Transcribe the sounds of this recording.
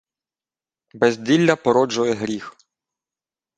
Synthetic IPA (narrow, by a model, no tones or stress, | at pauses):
bɛzʲd̪ʲilʲːɐpɔɾɔd͡ʒʊjɛɦɾʲix